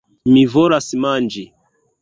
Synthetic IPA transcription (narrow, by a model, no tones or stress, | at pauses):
mivɔɾasimand͡ʒi